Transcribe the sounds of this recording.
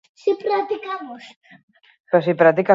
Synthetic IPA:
sipɾat̪ikamos | pos̬ipɾat̪ika

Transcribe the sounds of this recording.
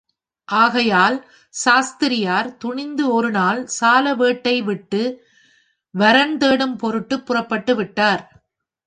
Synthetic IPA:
ʔaːɣɐjaːl | saːst̪ɪɾɪjaːɾt̪ʊɳɪnd̪ɯɔɾɯnaːlsaːlɐʋeːʈːɐɪʋɪʈːɯ | ʋɐɾɐnd̪eːɽɯmpɔɾɯʈːɯpːʊrɐpːɐʈːɯʋɪʈːaːɾ

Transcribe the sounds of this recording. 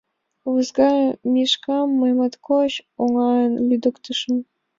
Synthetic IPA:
βɨzɡɑjmʲiʃkɑmːɤjmɑt̪koɕoŋɑənlʲyd̪ə̆kt̪əʃə̆m

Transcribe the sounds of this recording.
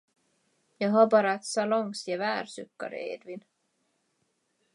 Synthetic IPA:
jɑːɦɑbɑːɾɑɛt̪sɑlɔŋsjɛvæːɾsʉkːɑ̰ɾ̰ḛːd̪vin

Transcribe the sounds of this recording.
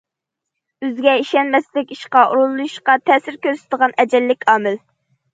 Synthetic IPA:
øzɡʲɛiʃɛnmɛslɪkʲiʃqɑʔuɾulˠːujʃqɑt̪ʰɛːsɪɾkʲøɾsɪ̥t̪d̪əʁɑnɛd͡ʒɛlːɪkʲʰɑːmɪl

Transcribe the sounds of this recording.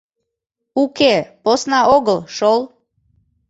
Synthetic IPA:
ukeposnɑoɣəlˠʃol

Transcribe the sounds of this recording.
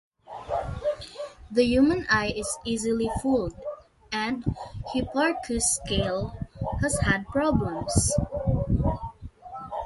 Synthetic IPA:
ðəjumə̃najɪsizɪlifuld̪ | ʔɛ̃nd̪hipaɹkʰʊskeɪlhɛzhæd̪̚pɹɔblɛ̃ms

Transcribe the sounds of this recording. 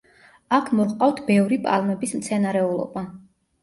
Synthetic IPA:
akʰmɔqʼaft̪ʰbɛvɾipʼa̰lˠmɛbismt̪sʰɛnaɾɛulˠɔ̰ba

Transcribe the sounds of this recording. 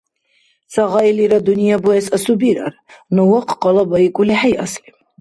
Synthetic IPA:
t͡sʰaʁailiɾad̪unijabuɛsasubiɾa̰ɾ | nɔwaqʰqɑlabaikʼuliħajʔaslim

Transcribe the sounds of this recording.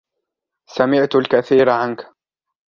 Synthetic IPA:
samɪʕt̪alkaθiːɾʕank

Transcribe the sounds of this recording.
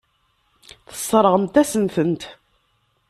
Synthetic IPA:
θə̥sˤːɾˤəʁəmt̪æsənθənt̪

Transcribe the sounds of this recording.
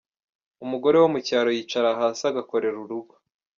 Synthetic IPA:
umuɡo̞ɾe̞womucaːɾo̞jiːt͡ʃaɾaɦaːsaɡako̞ɾe̞ɾuɾuɡwa

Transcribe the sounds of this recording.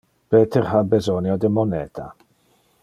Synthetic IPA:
b̥ɛːtʰərhabɛzɔnjɔdəmɔnɛːtʰa̰

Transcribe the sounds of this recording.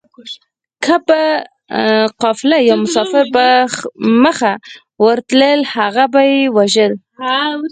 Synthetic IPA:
kʰapa | qɑflajawmʊsɑfɪɾba | məxa | wəɾt̪ləlhaɣabajewaʒəl

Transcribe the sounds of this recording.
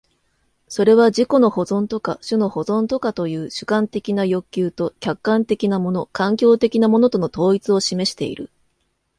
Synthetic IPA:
so̞ɾe̞β̞aʑiko̞no̞ho̞zõ̞nt̪o̞ka̰ɕɨno̞ho̞zõ̞nt̪o̞kat̪o̞jɯːɕɨ̥kãnt̪e̞kʲinajo̞kʲːɨːt̪o̞kʲakːãnt̪e̞kʲinamo̞no̞kãŋkʲo̞ːt̪e̞kʲinamo̞no̞t̪o̞no̞t̪o̞ːit͡sɨo̞ɕime̞ɕi̥t̪e̞̰ḭɾɯ̟̰

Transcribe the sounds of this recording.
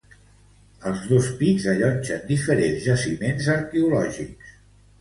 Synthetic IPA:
əlˠzðospidzəʎɔnʲt͡ʃənd̪ifəɾenzʒəsimenzəɾkɛulɔʒḭks

